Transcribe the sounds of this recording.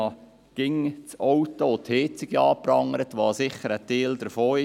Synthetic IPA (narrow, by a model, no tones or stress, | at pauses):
ɑ | ɡ̥ɪŋt͡sɔwtot̪het͡sɪɡ̥iɑːprɑŋəɾətʋɑːsɪχəɾəteːld̪əɾfoːɪ